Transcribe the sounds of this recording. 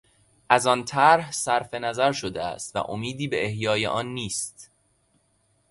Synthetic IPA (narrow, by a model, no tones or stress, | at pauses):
ʔæzɒnt̪ʰæɾhsæɾfe̞næzæɾʃod̪eæ̰st̪væ̰ʔo̰miːd̪iːbe̞ehjɒːjḛʔɒnːiːst̪